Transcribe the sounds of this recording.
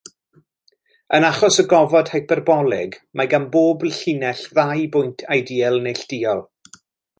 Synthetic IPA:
ənaχɔsəɡɔvɔd̥hajpʰɛrbɔlˠɪ̰ɡmʔaɡanboːbɬinɛɬðajbʊjntʰajdiːɛlˠnejɬd̥iːɔlˠ

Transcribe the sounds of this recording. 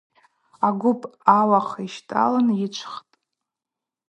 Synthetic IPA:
aɡʷʊpʼawaχiʃtʼa̰lanjɪt͡ʃʷʰχtʼ

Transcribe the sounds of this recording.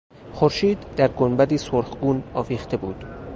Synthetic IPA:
xoɾʃiːd̪ːæɾɡonbæd̪iːsoɾχɡuːnɒːviːxt̪ʰe̞buːd̪̥

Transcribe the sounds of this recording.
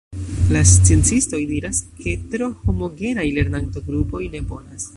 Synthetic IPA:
last͡sie̞nt͡sisto̞jdiɾaskʰe̞tɾo̞ho̞mo̞ɡe̞ɾajle̞ɾnantoɡɾupo̞jne̞bo̞nas

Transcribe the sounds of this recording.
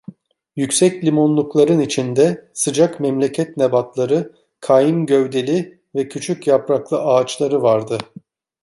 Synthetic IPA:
jycʲsɛclʲimo̞nlˠuklˠaɾɯnit͡ʃʰind̪ɛsɯd͡ʒakmɛmlʲe̞cʰɛt̪nebat̪lˠaɾɯ | kʰajimɟøvd̪e̞lʲi | vɛcʰyt͡ʃʰycjapɾaklˠɯʔaːt͡ʃlˠaɾɯvaɾd̪ɯ

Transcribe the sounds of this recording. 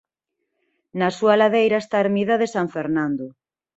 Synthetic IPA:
nasualaðejɾaest̪aeɾmiðaðesaɱfeɾnãnd̪o

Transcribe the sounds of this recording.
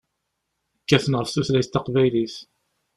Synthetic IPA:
əkːæθənʁəɾfθuθlæjst̪ːɑqvæjliθ

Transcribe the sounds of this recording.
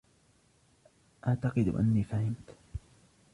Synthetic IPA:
ʔaʕt̪ɑqɨd̪̰ʔa̰nːiːfahɪmt̪

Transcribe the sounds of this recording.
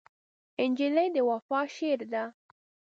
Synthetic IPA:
ɪnd͡ʒiləjd̪əwafɑʃeɾd̪a

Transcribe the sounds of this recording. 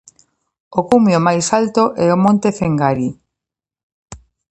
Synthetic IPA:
okumjomajsalt̪oʔɛomõnt̪efeŋɡaɾi

